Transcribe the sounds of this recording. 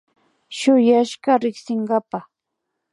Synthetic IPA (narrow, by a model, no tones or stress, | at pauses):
ʃʊjaʃɢaɾɪksɪɴɢɑpa